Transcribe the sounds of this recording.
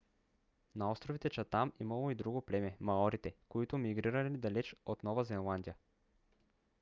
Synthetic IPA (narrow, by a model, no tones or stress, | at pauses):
naɔst̪ɾovit̪ɛt͡ʃat̪amimɐlˠoid̪ɾuɡoplɛmɛmaɔɾit̪ɛkoit̪ʊmiɡɾiɾɐlʲid̪ɐlɛt͡ʃot̪nɔvɐzɛnlˠand̪ijə